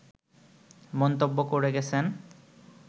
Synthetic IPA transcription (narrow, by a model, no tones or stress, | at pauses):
mɔnt̪obːokoɾeɡɛt͡ɕʰen